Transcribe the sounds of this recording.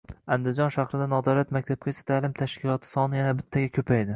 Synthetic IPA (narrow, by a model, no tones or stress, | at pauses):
and̪ɪzd͡ʒɒnʃaχɾɪd̪anɒd̪ɒwlat̪makʲt̪ʰab̚kʲat͡ʃʰḁt̪ʰaːlɪmt̪ʰaʃkʲɪlˠɒt̪ʰɪ̥sɒnɪjanabɪt̪ʰːaɡʲakʲʰɵpʰajd̪ɪ